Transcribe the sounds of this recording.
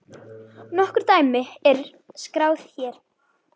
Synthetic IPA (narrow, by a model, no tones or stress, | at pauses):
nɔhkʏɾ̥t̪aːjmɪɛɾ | skɾaːwθçɛɾ̥